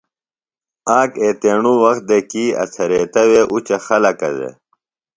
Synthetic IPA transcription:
aːkeːt̪eɳuwɐxt̪̚d̪ekiːɐ̰t͡sʰɐɾeːt̪ɐweʔut͡ɕɐxɐlɐkɐzḛ

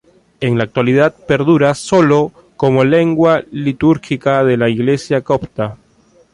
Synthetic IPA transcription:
eŋlaːk̚t̪waliðat̪̚pe̞ɾðuɾaso̞lo | komole̞ŋɡwalit̪uɾxikað̞elaiɣle̞sjakopt̪a

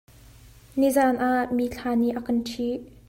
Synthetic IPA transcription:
nizanʔaʔmiːɬʰaːniʔakɐnʈ͡ʂʰiʔ

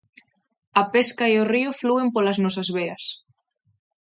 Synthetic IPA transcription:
ɐpeskaioriofluempolɐznɔsɐzβeɐs

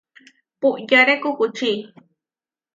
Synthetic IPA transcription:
puʔjaɾekʊkut͡ʃiː

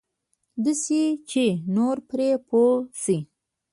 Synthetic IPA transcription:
d̪əset͡ʃenoɾpɾepʰosi

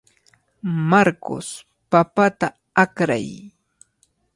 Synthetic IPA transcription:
maɾko̰s | papat̪a | akɾa̰j

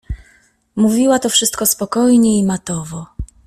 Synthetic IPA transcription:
muvʲiwat̪ɔfʂɘst̪̚kɔspɔkɔjɲɛimat̪ɔvɔ

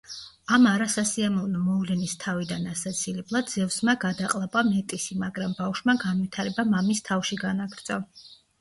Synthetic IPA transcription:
amaɾasasiamɔvnɔmɔvlɛnist̪ʰavid̪anasat̪sʰilɛblˠad̪d̪zɛvsmaɡad̪aqʼlˠapʼamɛt̪ʼisimaɡɾambafʃmaɡanvit̪ʰaɾɛbamamist̪ʰafʃiɡanaɡɾd̪sʼɔ

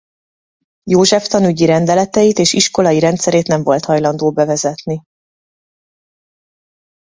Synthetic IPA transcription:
joːʒɛft̪ɒnyɟiɾɛnd̪ɛlɛt̪ɛjit̪eːʃiʃko̞lɒjiɾɛnt̪sɛɾeːt̪nɛɱvo̞lt̪hɒjlɒnd̪oːbɛvɛzɛt̪ni

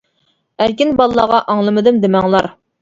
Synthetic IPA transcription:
æɾkʲɪnbɑlˠlːˠɑʁɑʔɑŋlˠɨmɨd̪ɪmd̪ɪmæŋlˠɑɾ

